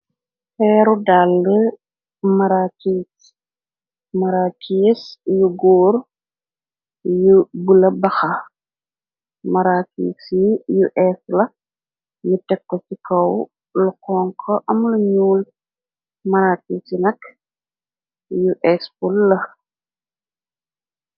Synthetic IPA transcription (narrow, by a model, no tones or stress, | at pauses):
pɛːɾudalːə | mɐɾakis | mɐɾaːkisjuɡɔːɾ | jubulɐbɐxɐ | mɐɾakḭːsijuʔɛslɐ | ɲutɛkːɔt͡ʃikɐw | lukɔːŋkʰɔʔɐmluɲuːl | mɐɾaːkiːsinɐk | juʔɛspulːɐ